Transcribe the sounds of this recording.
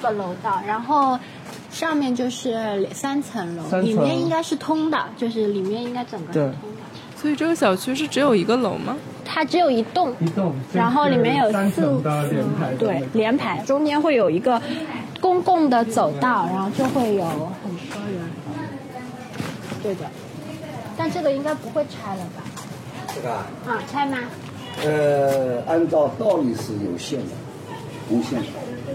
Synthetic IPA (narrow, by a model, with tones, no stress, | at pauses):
ə˧lo˧˥ʊt̪ɑ˥˩ʊɻa˧˥nxo˥˩ʊ | ʂɑ˥˧ŋmjɛ˥˧nt͡ɕjo˥˧ʊʂɻ̩˥˩˨sa˥nt͡sʰə˧˥nlo˧˥i˨˩jɛ˥˩ni˥ŋka˥ɪʂɻ̩˥˩t̪ʰʊ˥ŋd̪ə̰˨t͡ɕjo˥˧ʊʂɻ̩˥˩li˨˩mjɛ˥˩ni˥ŋka˥ɪʈ͡ʂɤ˨˩ŋɡə˦ʂ̩˥˩t̪ʰʊ˥ŋd̪ə˨ | swɔ˧˥i˨˩ʈ͡ʂɤ˥˩ɡə˧˩ɕjɑ˨˩ʊt͡ɕʰy˥ʂ̬ɻ̩˥˩ʈ͡ʂɻ̩˧˥jo˨˩ʊi˧˥ɡə˧lo˧˥ʊmɐ˧ | t̪ʰa˥ʈ͡ʂɻ̩˧˥jo˨˩ʊi˧˥t̪ʊ˥˩ŋ˥˧ɻa˧˥nxo˥˩ʊli˨˩mjɛ˥˩njo˨˩ʊs̩˥˧˥ | t̪we˥˩ɪljɛ˧˥npʰa˧˥ɪʈ͡ʂʊ˥ŋt͡ɕjɛ˥nxwe˥˩ɪjo˨˩ʊi˧˥ɡə˧kʊ˥ŋkʊ˥˩ŋd̪ə˩t͡so˨˩ʊt̪ɑ˥˩ʊɻa˧˥nxo˥˧ʊt͡ɕjo˥˧xwe˥˩ɪjo˨˧˥ʊxə˨˩nt̪ɔ˥jo˨˧˥ | t̪we˥˧ɪt̪we˥˩ɪ | t̪a˥˧nʈ͡ʂɤ˥˩ɡə˩i˥ŋka˥ɪpu˧˥xwe˥˩ɪʈ͡ʂʰa˥ɪlə˨bɐ˨˩ | a˥˩t͡sʰa˥ɪma˧ | ə˧a˥nt͡sɑ˥˧ʊt̪ɑ˥˧ʊli˨˩ʂɻ̩˥˩jo˨˩ʊɕjɛ˥˩nd̪ə̰˩ | u˥ɕjɛ˥˩nə˨˩